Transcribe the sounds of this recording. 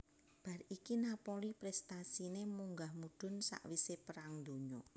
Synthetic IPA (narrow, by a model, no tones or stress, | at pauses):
b̥a̤ɾikinapolipɾɛst̪asinemuŋɡahmud̪̥ʊ̤nsa̰ʔwisepəɾaŋd̪o̤ɲɔ